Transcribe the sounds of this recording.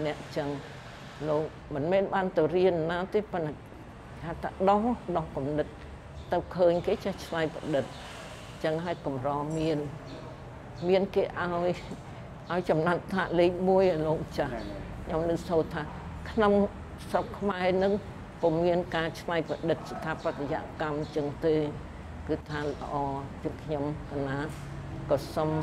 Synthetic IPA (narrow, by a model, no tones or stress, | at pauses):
nɛ̆əʔt͡ɕəŋ | loːk̚mɨnmɛːnɓaːnt̪ɨwriənːaɔt̪eːpɨnːa | hat̪ʰaɗohɗohkumnɨt̪̚ː | ɨwkʰəːɲkeːt͡ɕɛht͡ɕʰlajpa̰ɗɨt̪̚ | t͡ɕəŋɦaəjkumrɑːmiən | miənkeːʔaɔj | ʔaɔjt͡ɕɑmnat̪̚t̪ʰaːʔliːk̚muəjəloːk̚mət͡ɕahkʰɲomnɨŋsoːt̪ʰaː | kʰnoŋ | srokʰmaɛnɨŋ | pɔmiənkaːt͡ɕʰlajpəɗɨt̪̚sat̪ʰapːateja̰ʔkamɲt͡ɕəŋt̪eː | kɨːt̪ʰaːlə̰ʔɑːjɨəŋkʰɲomkʰanaː | kɑːsom